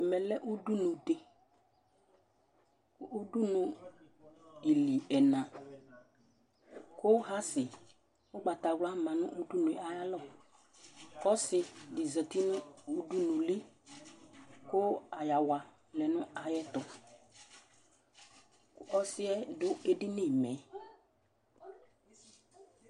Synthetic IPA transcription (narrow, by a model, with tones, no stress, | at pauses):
ɛ˨mɛ˨lɛ˦ʔu˦du˦nu˨de˨ | ko˦du˦nũ˨ | i˨li˨ɛ˨nã˨ | ko˦ɦa˦sɪ˨ | ʊ˦ɡ͡ba˨ta˨ɡla˦mã˨nʊ̃˦ʔu˦du˦nʊ˨a˨ja˦lɔ˦˨ | kɔ˦sɪ˧dɪ˨zə˨ti˦nʊ̃˦o˦du˦nu˨li˦ | ko˦a˨ja˨wa˨ | lɛ˨nʊ̃˦a˨jɛ˦tʊ˨ | kɔ˦sɪ˦ɛ˦dʊ˦e˦dɪ˦ni˦˨mɛ˨˦